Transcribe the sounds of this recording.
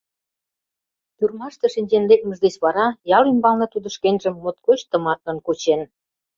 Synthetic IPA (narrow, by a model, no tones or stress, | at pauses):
t̪yrmɑʃt̪ĕʃinʲd͡ʑend̪ek̪̚mə̆ʒd̪esβɑɾɑjɑlymbɑlnɤ̆t̪ud̪ə̆ʃkenʲʒəmːŏt̪̚kot͡ɕt̪ə̆mɑt̪̚lə̆nkut͡ɕen